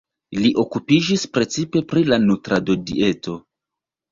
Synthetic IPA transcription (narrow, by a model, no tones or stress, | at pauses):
liʔo̞kupid͡ʒispɾe̞t͡sipe̞pɾilanutɾadodḭe̞to̞